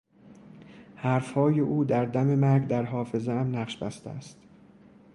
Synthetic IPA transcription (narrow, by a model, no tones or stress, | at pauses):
hæɾfhɒːjeʔuːd̪æɾd̪æme̞mæɾɡd̪æɾɦɒːfe̞zeæmnæɢʃbæ̰st̪ḛæ̰st̪